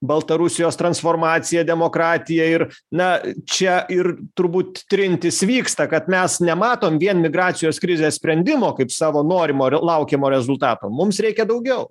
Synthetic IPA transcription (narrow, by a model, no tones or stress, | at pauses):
bɐlˠt̪ɐɾʊsʲɪjoːst̪ɾɐnsfoːrmɑːt̪sʲɪjɛd̪ʲɛmoːkɾɑːt̪ʲɪjɛɪr | nɐt͡ʃʲɛʔɪrt̪ʊɾbuːt̪̚t̪ʲɾʲɪnʲt̪ʲɪsʋʲiːkst̪ɐkɐt̪mʲɛsnʲɛmɑːt̪oːmʋʲiɛnmʲɪɡɾɑːt̪sʲɪjoːskɾʲɪzʲeːsʲpʲɾʲɛnʲd̪ʲɪmoːkɐɪpsɑːʋoːnoːɾʲɪmoːlˠɐʊkʲemoːɾʲɛzʊlˠt̪ɑːt̪o̰ːmʊmsɾʲɛɪkʲɛd̪ɐʊɡʲɛʊ